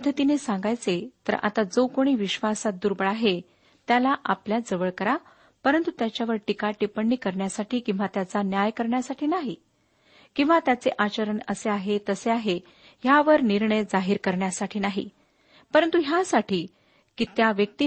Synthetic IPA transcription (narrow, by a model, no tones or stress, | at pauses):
d̪ʱːət̪inesãŋɡajt͡set̪ə̰ɾʔa̰t̪ad͡zokoɽ̃iːʋiɕʋasat̪̚d̪uɾbəɭaɦe | t̪jalaʔapljad͡zəʋəɭkəɾa | pəɾənt̪ut̪jat͡ɕjaʋəɾʈikaʈipəɳːiːkəɾɳjasaʈʰiːkĩw̃ʋat̪jat͡sanjajkəɾɳjasaʈʰiːnaɦi | kĩw̃ʋat̪jat͡seʔat͡ɕəɾəɳəseaɦet̪əseaɦe | ɦjaʋəɾniɾɳəjd͡zaɦiːɾkəɾɳjasaʈʰiːnaɦḭ | pəɾənt̪uɦjasaʈiː | kiːt̪jaʋjək̚t̪i